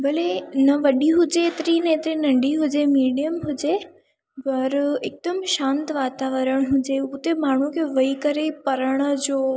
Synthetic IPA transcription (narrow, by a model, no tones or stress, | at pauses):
bɐlenɐʋɐɗiɦʊd͡ʑeːt̪ɾinɐet̪ɾinɐ̃ɳɖiɦʊd͡ʑemiːɖijəmɦʊd͡ʑe | pɐɾek̚d̪əmʃãːnt̪ʋaːt̪aʋəɾəɽ̃ɦʊd͡ʑeʊt̪emaːɳ̤ukʰeʋɐikɐɾepɐɾəɽ̃ə̆d͡ʑoː